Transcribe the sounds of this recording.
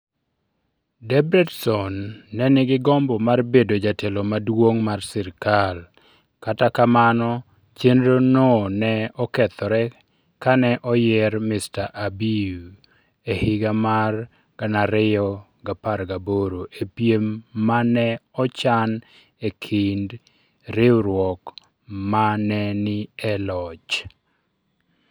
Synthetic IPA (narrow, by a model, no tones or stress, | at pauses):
dɛbɾɛdsɔnːɛnɪɡɪɡɔmbɔmarbedod͡ʒatʰelomadwoŋmarsɪɾkal | katakamanɔ | t͡ʃenɾononɛɔkɛt̪ɔɾɛ | kanɛʔɔjɛrmɪstaʔabiu | ehɪɡamar | ɡ̥anaɾɪjɔ | ɡapaɾɡaboɾoʔepjemːanɛɔt͡ʃan | ekʰɪnd | ɾɪɾwɔk | manɛnɪɛlɔt͡ʃ